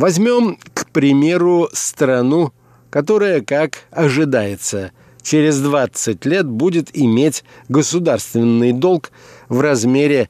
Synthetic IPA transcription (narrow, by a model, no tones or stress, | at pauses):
vɐzʲmʲo̞mkpɾʲɪmʲe̞ɾʊst̪ɾɐnu | kɐt̪o̞ɾəjəkakɐʐɨd̪ajɪt̪sə | t͡ɕɪɾʲɪzd̪vat̪sɨt̚ʲlʲe̞t̪̚budʲɪt̪ɪmʲetʲɡəsʊd̪arst̪vʲɪnːɨjd̪o̞lˠkvrɐzmʲeɾʲɪ